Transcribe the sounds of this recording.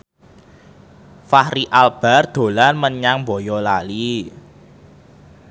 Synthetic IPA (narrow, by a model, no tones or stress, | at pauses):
fahɾiʔalb̥a̤rd̪̥o̤lanməɲaŋmbɔjɔlali